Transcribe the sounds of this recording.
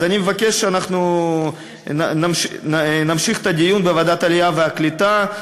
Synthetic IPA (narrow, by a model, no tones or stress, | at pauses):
zanʲimevakʲeʃʃeanaχnu | namnamʃiχe̥t̪ɐd̪ʲijunbeavad̪at̪alijaveaklit̪a